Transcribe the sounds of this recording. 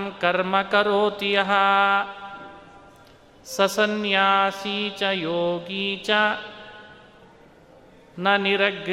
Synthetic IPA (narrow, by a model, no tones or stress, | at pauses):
mkɐɾmɐkɐɾoːt̪ijɐɦɐ | sɐsɐnjaːsiːt͡ʃɐjoːɡiːt͡ʃɐ | nɐniɾɐɡ